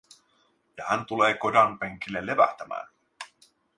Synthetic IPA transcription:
jɑhænt̪uleːko̞dɑnpeŋk̟ilːelːe̞ʋæ̰ht̪æmæ̰ːn

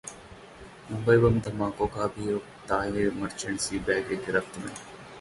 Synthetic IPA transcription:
mʊmbɐjbɐmt̪ɐmãːkokaːbio | t̪aːɦemɐɾt͡ʃɐɳsiːbæːɡeɡɪɾɐft̪mɐ̰

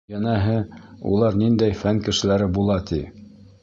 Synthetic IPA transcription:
jænæɦɘṵlˠɑɾnind̪æjfæŋkɘ̆ʃɘ̆læɾɘbulˠɑt̪i

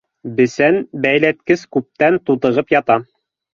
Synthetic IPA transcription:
bɘ̆sænbæjlæt̪kɘskʉp̚t̪ænt̪ut̪ɤ̆ʁɤpjɑt̪ɑ

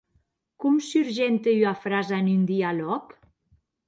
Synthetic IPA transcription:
kumsyɾʒent̪eyafɾazaenynd̪ialɔk

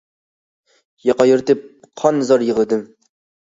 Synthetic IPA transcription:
jɑqɑjuɾt̪ɪp̚ | qʰɑnːɨzɑɾjəʁəd̪ɪm

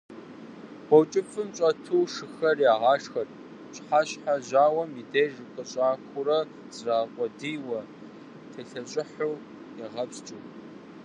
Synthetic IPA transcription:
wʷɔwt͡ʃʼɪfɨmɕʼɐtʰuːʂɨxɐrjaːʁɑːʂxɐr | ɕħaːɕħaʑaːwɐmidejʒɨqʼəɕʼaːxʷʊɾɐ | z̥raːʁʷɔdijwɐ | tʰɐɬɐɕʼɪħʊw | jɛʁɐpst͡ʃʼɨː

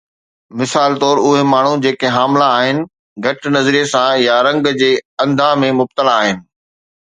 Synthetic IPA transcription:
mɪsaːlt̪ɔːɾʊɦemaːɳ̤ud͡ʑeːkeɦaːmlaːɦɪnɪ̆ | ɡʱɐʈnɐzɾijesãjaɾɐ̃ŋɡd͡ʑeːɐ̃nd̪ʱãmẽmʊb̚t̪əlaːɦɪnɪ̆

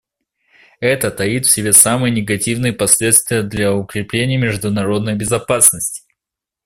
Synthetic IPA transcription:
ɛt̪ət̪ɐit̪fsʲɪbʲesamɨjənʲɪɡɐtʲivnɨjəpɐsʲlʲe̞t̪st̪vʲɪjəd̪lʲɐʊkɾʲɪplʲenʲɪjəmʲɪʐd̪ʊnɐɾo̞d̪nəjbʲɪzɐpasnəsʲtʲɪ̥

